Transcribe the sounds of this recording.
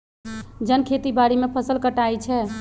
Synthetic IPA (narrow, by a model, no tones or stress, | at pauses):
d͡ʒənkʰet̪ibaɽimepʰəsəlkəʈajt͡ʃʰɛ